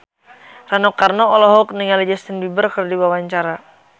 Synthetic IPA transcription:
ranɔkarnɔɔlɔɦɔk̚niŋalɛd͡ʒɛst̪ənbibərkərdiwawaɲt͡ʃaɾa

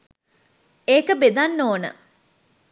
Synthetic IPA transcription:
eːkəbed̪anːoːnə̰

